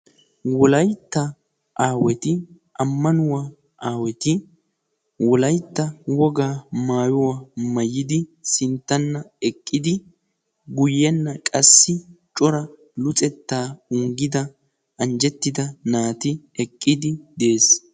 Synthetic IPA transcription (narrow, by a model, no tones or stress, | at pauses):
wɔlɐjt̪ːɐ | ʔaːwɛt̪ɪ | ʔɐmːɐnʊwaː | ʔaːwɛt̪ɪ | wɔlɐjt̪ːɐwɔɡaːmaːjɔwaːmɐjːɪd̪ɪsɪnt̪ːɐnːɐɛkʼːɪd̪ɪ | ɡʊjɛnːɐkʼɐsːɪt͡ʃʼɔɾɐ | lʊt͡sʼɛt̪ːaːʊŋɡɪd̪ɐ | ɐnd͡ʒɛt̪ːɪd̪ɐnaːt̪ɪ | ɛkʼːɪd̪ɪd̪e̞ːs